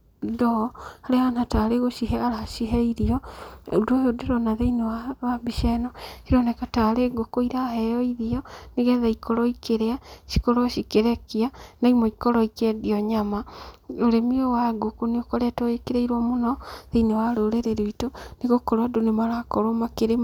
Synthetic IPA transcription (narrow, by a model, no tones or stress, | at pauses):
dɔhaɾehanataɾeɣoʃiɦɛaɾaʃiɦɛiɾiɔodojodeɾɔnaðeinewawabiʃɛnɔsiɾɔnɛkataɾeɡokoiɾahɛjɔiðiɔneɣɛðaikoɾɔikeɾeaʃi̥koɾoʃikeɾɛkianaimɔikɔɾɔikɛdiɔɲamaoɾemiowaɡokoneokɔɾɛtɔekeɾeiɾwɔmonɔðeinewaɾoːɾeɾeɾeitoneɣokoɾwadonemaɾakɔɾomakeɾe